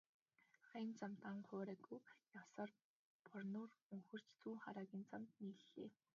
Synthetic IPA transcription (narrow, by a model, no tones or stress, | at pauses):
χant͡samt̪aɴχʊːɾæːɡujjasɔr | pʰɔrnʊːrɵŋxɵ̆r̥t͡ɕt͡suːχaɾaːɣʲiːnt͡samt̪niːɮːḛː